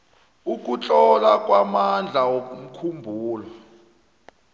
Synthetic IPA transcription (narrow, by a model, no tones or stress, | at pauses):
uk̬ʼut͡ɬʼɔlakʼwamand͡ɮʱawokʼum̩kʰumbʱuːlɔ